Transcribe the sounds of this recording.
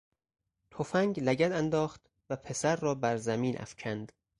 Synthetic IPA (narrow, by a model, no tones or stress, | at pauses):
t̪ʰofæŋɡlæɟæd̪ænd̪ɒːχt̪ | væpʰe̞sæɾːɒːbæɾzæmiːnʔæ̰fcʰænd̪̥